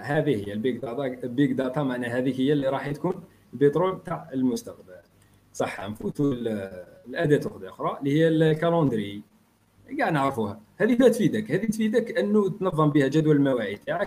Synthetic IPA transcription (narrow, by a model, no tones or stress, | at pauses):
hæd̪ihəjːælbikd̪ɑt̪ɑlbikd̪ɑt̪ɑmaʕnæɦæd̪ikhəjːælːiɾˤɑħt̪kun | bit̪ˤɾulb̚t̪aʕəlmʊst̪əqbəl | sˤɑħːɑ̰nfut̪ullʔæd̪æt̪ʊxd̪ʔʊxɾˤɑʔlːihəjːællkɑlɑ̃nd̪ɾii | ɡaʕnəʕɾfuhæhæd̪imæt̪fid̪əkhæd̪it̪fid̪əkːʔənːut̪nɑðˤːɑmbihæd͡ʒæd̪wælmæwæʕit̪aʕək